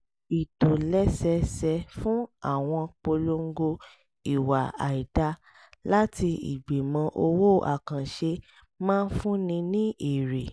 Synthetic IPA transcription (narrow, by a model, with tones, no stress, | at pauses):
i˨to˨lɛ˦sɛ˧sɛ˧fũ˦a˦˨w̃ɔ̃˧k͡po˧lo˦˧ŋ̩˦ɡo˧ | i˨wa˨a̰˨i˨da˧ | la˦ti˧ḭ˨ɡ͡be˨mã˧˦ʔo˧wo˦˨ʔa̰˨kã˨ʃe˧ | mãː˦n̩˦fũ˦nĩ˧nĩ˦ʔi˦˨ɾe˨